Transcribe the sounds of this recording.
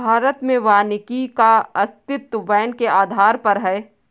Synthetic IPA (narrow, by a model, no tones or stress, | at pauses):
bʱaːɾət̪mẽʋaːnɪkikaɐst̪ɪt̪ːəʋɛːnkeʔaːd̪ʱaːɾpɐɾɦɛː